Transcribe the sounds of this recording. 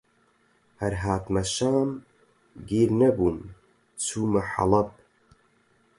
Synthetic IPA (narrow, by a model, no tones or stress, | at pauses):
hɐɾɦaːt̪mɐʃaːm | ɡiːɾnɐbuːm | t͡sʰuːmɐħɑ̰lɐp̚